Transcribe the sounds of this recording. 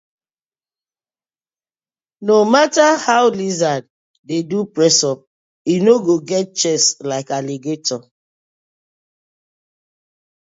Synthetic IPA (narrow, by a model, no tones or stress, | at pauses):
nomatahaʊlizad | dedupɹɛsɔp̚ | inoɡoɡɛt̚t͡ʃɛslaɪkaleɡetɔ